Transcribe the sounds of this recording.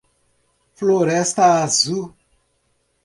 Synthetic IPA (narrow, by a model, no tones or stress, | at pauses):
floɾɛst̪ɐazu